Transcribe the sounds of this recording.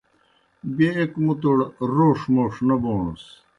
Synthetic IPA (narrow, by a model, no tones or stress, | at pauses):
beekmut̪oɽɾoːʂmoʂnɐboːɳṵs